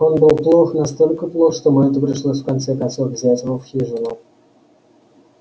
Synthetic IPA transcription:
onbɨlˠplˠoxnɑst̪olʲkəplˠoxʂt̪omot̪̬əpɾʲɪʂlˠosʲfkant̪sɛkɑnsofɡzʲætʲvəfxʲiʐɨnˠo

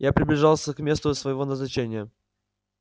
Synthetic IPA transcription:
japɾʲɪblʲɪʐɑlˠsʲəkmʲe̞st̪ʊsvəjɪvonəznɐt͡ɕenʲɪjə

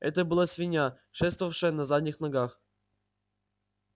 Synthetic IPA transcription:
ɛ̰t̪əbɨlˠasʲvʲinʲɑ | ʂɛst̪vəvɐfʂɨ̆nazad̪ʲnʲixnɐɡɑχ

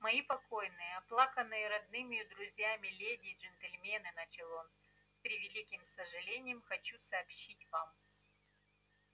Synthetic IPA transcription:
mɐjipɐkojnɨjəɐplˠaxənːɨjəɾɐd̪nɨmʲɪjʊd̪ɾʊzʲjamʲɪlʲedʲɪːʐɨnt̪ɨlʲmʲenɨnɐt͡ɕʲɪlˠo | spʲɾʲɪvʲɪlʲikʲɪmsəʐɨlʲenʲɪjəmxɐt͡ɕusɐːpɕitʲvam

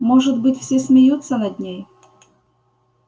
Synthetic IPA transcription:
moʐɨd̪bɨtʲfsʲesʲmʲɪjut̪sːənɐd̪ʲnʲej

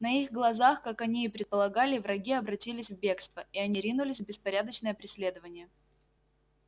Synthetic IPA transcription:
nɐiɣɡlˠɐzaxkakɐnʲiːpɾʲɪt̪̚pəlˠɐɡalʲɪvrɐɡʲiɐbɾɐtʲilʲɪsʲvbʲe̞kst̪vəɪɐnʲiɾʲinʊlʲɪsʲbʲɪspɐɾʲad̪ət͡ɕnəjəpɾʲɪsʲlʲe̞d̪əvənʲɪjə

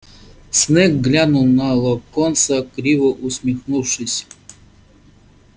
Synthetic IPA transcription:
snɛkɡlʲanulˠnalˠɔkonsɐkɾʲivɨʔʊsʲmʲixnuwʂɨsʲ

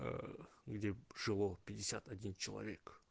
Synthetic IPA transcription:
ə̰ɡdʲe̞ʐ̥ɨlˠopʲɪdʲɪsʲat̪adʲint͡ʃɪlˠɐ̰vʲe̞k

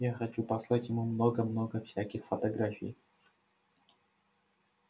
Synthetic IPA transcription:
jaxɐt͡ɕupɐslˠatʲjɪmumnoɡəmnoɡəfsʲækʲɪxfɐt̪ɐɡɾafʲɪ̰j

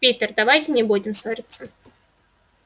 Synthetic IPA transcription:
pʲit̪ʲərd̪ɐvajtʲɪnʲɪbudʲɪmsoɾʲɪt̪sːə

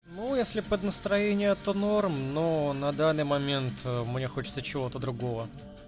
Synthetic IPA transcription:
nujesʲlʲɪpəd̪nəst̪ɾɐjenʲɪjət̪onormnonɐd̪anːɨjmɐmʲe̞nt̪mnʲexo̞t͡ɕɪ̥t̪sət͡ɕɪvo̞t̪əd̪ɾʊɡo̞və

